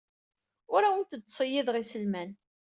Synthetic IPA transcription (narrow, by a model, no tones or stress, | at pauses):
ʊɾawənt̪ət͡sːsˤəjːiðʁisəlmæn